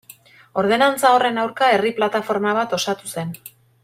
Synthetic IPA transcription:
o̞ɾðe̞nant͡sao̞re̞nawɾkae̞riplat̪afo̞ɾmaβ̞at̪o̞sat̪use̞n

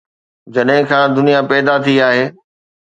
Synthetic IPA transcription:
d͡ʑɐɗɦɪ̃kʰãːd̪ʊnijapɛːd̪at̪ʰiaːɦeː

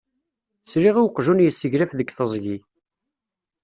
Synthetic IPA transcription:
sɾiʁiwqʒunjəsːəʝɾæfðəɡθəzˤʝi

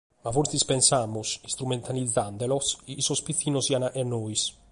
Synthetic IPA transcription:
mafoɾθispɛnsaːmusist̪ɾumɛnt̪ʰalid̪zːand̪ɛlɔsiisɔspit̪θːiːnɔsianaʔɛnːoːis

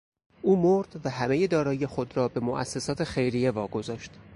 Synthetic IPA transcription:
ʔuːmoɾd̪̥væɦæmeje̞d̪ɒːɾɒːje̞xo̞d̪ɾɒːbe̞moʔæ̰sːe̞sɒːt̪ʰe̞xe̞jɾije̞vɒːɡo̞zɒːʃt̪

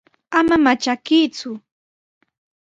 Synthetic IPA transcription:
amamat͡ʃakiːt͡sʊ

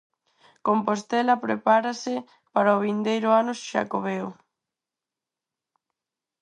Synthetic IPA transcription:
kompost̪ɛlɐpɾepaɾasɪ | paɾaoβind̪ejɾʊanʊsʃa̰koβeo

